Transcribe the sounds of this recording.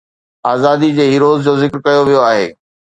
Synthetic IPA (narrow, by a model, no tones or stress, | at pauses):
aːzaːd̪id͡ʑeːɦiːɾoːzd͡ʑozɪkɾkɐjoʋijoaːɦḛː